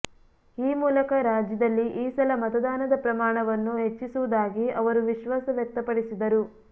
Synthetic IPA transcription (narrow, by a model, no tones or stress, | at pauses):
iːmuːlɐkɐɾaːd͡ʒjɐd̪ɐlːiʔiːsɐlɐmɐt̪ɐd̪aːnɐd̪ɐpɾɐmaːɳɐʋɐnːuɦe̞t͡ʃːisuʋud̪aːɡiɐʋɐɾuʋiʃʋaːsɐʋjɐk̚t̪ɐpɐɽisid̪ɐɾu